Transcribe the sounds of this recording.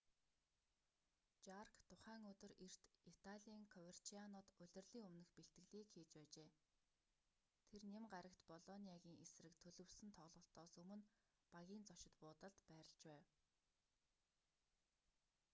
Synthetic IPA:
t͡ɕarkt̪ʰʊχæːŋɵt̪ɵ̆rir̥t̪it̪ʰaɮʲiːŋkʰɔwer̥t͡ɕʰianɔːt̪ɵɮʲɵ̆rɮiːŋɵmnɘ̆xpeɬt̪ɡɘ̆ɮiːkxiːt͡ɕpæːt͡ɕeː | t̪ʰernemɢaɾə̆kt̪pɔɮɔniaɣʲiːŋesrɘ̆kt̪ʰɵɮɵ̆wsɘ̆nt̪ʰɔʁɮʁə̆ɬt̪ːɔːsɵmɵ̆n | paɣʲiːnt͡sɔʃɪ̆t̪pʊːt̪ə̆ɮt̪pæːɾə̆ɬt͡ɕpæːw

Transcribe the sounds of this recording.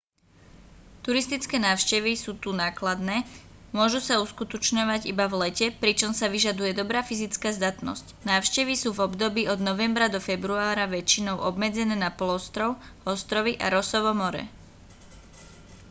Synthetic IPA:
t̪uɾist̪it͡skɛːnaːʊʃcɛʋisuːt̪unaːklad̪nɛːmʊɔʒusauskut̪ɔt͡ʃɲɔʋaɟibavlɛcɛpɾit͡ʃɔmsaʋiʒad̪ujɛd̪ɔbɾaːfizit͡skaːzd̪at̪nɔ̰scnaːʊʃcɛʋisuːvɔbd̪ɔbiːɔd̪nɔʋɛmbɾad̪ɔfɛbɾuaːɾaʋɛt͡ʃinɔʊʔɔbmɛd͡zɛnɛːnapɔlɔst̪ɾɔʊɔst̪ɾɔʋiʔa̰ɾɔsɔʋɔmɔɾɛ̰

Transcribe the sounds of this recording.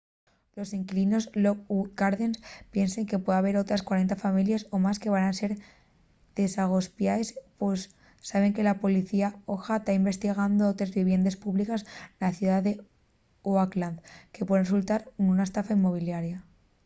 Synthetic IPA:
lo̞seŋkilino̞zlo̞k̚uɡaɾðenspje̞nseŋke̞pwe̞ðaβ̞e̞ɾo̞t̪ɾaskwaɾe̞nt̪afamiljaso̞maske̞β̞ananse̞ɾ | ð̥e̞saɣ̞o̞spjaespesː | aβe̞ŋke̞lapo̞liθiaoxat̪aimbe̞st̪iɣ̞and̪o̞ot̪ɾezβiβje̞nd̪espuβlikasnaθjuðaðe̞ | uakland̪ke̞pweðresult̪aɾnunaest̪afaimːo̞β̞iljaɾja

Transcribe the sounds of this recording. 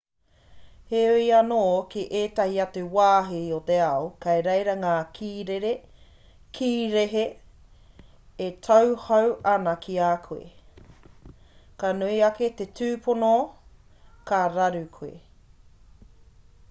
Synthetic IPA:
heuiɐnoːkiʔeːt̪ahiɐtuwaːɦiot̪e̞aokɐjɾejɾɐŋaːkʰiːɾeɾe | kʰiːɾeɦe | tʰawhɐwɐnɐkʰiaːkʰuḛ | kanuiɐket̪etʰʉːpʰono | kaɾaɾʉkʰuḛ

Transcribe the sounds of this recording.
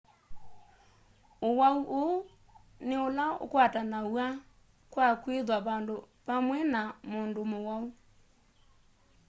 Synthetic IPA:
owauʔoo | neolao̰kwatanawa | kwakweðwaβando | βamwɛnamondomowau

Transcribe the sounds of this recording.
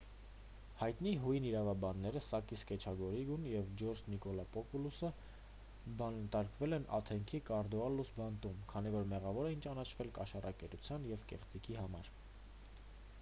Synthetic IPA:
hɑjt̪niɦujniɾɑvɑbɑnːɛɾəsɑkiskɛt͡ʃʰɑɡɔɾiɡunjɛvd͡ʒɔɾd͡ʒnikɔlɑpɔpulusə | bɑnənt̪ɑɾkvɛlɛnɑ̰t̪ʰɛŋkʰikɑɾd̪ɔɑlːusbɑnt̪umkʰɑn̪ivɔɾmɛʁɑvɔɾɛint͡ʃɑnɑt͡ʃʰvɛlkɑʃɑrʔɑkɛɾut͡sʰjɑnjɛvkɛ̰χt͡sikʰiɦɑmɑɾ

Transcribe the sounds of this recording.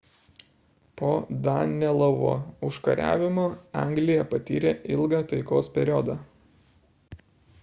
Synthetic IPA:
poːd̪ɑːnʲɛlˠɐʋo̰ːʊʃkɐɾʲæ̰ːʋʲɪmoːɑ̰ŋɡlʲɪjɛpɐt̪ʲiːɾʲeːʔɪlˠɡɐːt̪ɐɪkoːspʲɛɾʲɔd̪ɑ

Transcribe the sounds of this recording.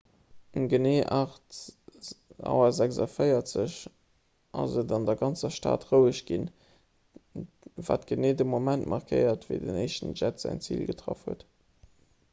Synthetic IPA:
ənɡəneːʔɑχt | ɑ̰ʊɐzækzɑfəɪɐtz̥əɕ | ʔɑ̰zədɑndɐɡɑnt͡sɐʃta̰ːtʁəʊəʃɡ̥in | va̰ːtɡ̥əneːdəmomæntmʔɑʁkʰɜɪɐtvəɪdəneɪʃtən̩ʒætz̥æ̰ɪnt͡sḭːlɡətʁɑfhuət

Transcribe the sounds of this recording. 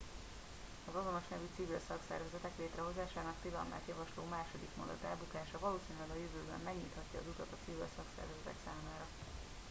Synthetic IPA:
ɒzɒzonoʃnɛvyt̪sivilsɒksɛ̰rvɛzɛt̪ɛkleːt̪rɛɦo̞zaːʃaːnɒkt̪ilɒma̰ːt̪jɒvɒʃloːmaːʃo̞d̪ikmond̪ɒ̰t̪ɛlbukaːʃɒvɒloːsiːnylɛɡɒjøvøːbɛ̰mːɛɡɲiːt̪hɒcːɒ̰ːzut̪ɒt̪ɒt̪sivilsɒksɛ̰rvɛzɛt̪ɛ̰ksaːmaːɾɒ

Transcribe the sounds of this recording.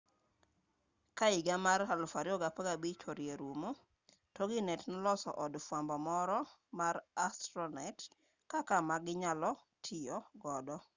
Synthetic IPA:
kaɪɡamarhalʊfaɾɪɔɡapaɡabit͡ʃɔɾjeɾumo | tɔɡɪnɛtnɔlɔsɔ̰ʔɔdfwambɔmɔɾɔmarastɾɔnaɪt | kakamaɡɪɲalɔtʰɪjɔɡɔdɔ

